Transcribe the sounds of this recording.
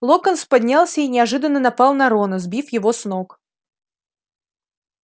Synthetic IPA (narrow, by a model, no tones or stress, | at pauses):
lˠokənspɐdʲnʲalˠsʲəinʲɪɐʐɨd̪ənːənɐpɑlˠnɐɾonʊzbʲifjɪvosnok